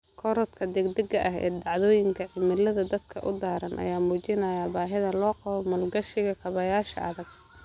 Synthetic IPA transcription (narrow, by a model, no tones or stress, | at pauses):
kʰɔɾɔt̪kʰɐd̪ɛɡd̪ɛɡɐʔɐɦɛ̰ːd̪ɑʕðɔːjɪŋkʰɐʕɪmɪlɐðɐd̪ɐd̪kʰɐʔʊd̪aːɾɐnʔɐ̰jaːmuːt͡ʃɪnɐjabaːɦɪðɐlɔːqɑβɔmɐlɡɐʃɪɣɐkʰɐβɐjaːʃɐ̰ʔɐðɐɡ̚